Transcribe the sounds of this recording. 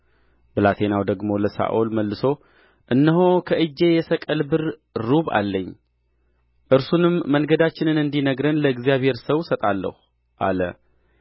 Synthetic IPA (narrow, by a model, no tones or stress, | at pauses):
bɨlat̪ʰe̞nawd̪əɡmo̞ləsa̰ʔulməlːɨso̞ | ʔɨnːəɦo̞kʰəʔɨd͡ʒːe̞jɛsəkʼəlbɨɾɾuβa̰lːəɲː | ʔɨɾsunɨmːəŋɡəd̪at͡ʃːɪnɨnɨnd̪inəɡɾənləɨɡzijaβhe̞ɾsəwsət̪ʼalːə̰h | ʔa̰lə̰